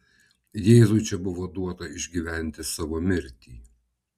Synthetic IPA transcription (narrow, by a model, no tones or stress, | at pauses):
jeːzʊt͡ʃʲɛbʊʋoːd̪uɔt̪ɐɪʒʲɡʲiːʋʲæˑnʲt̪ʲɪsɑːʋoːmʲɪɾʲt̪ʲiː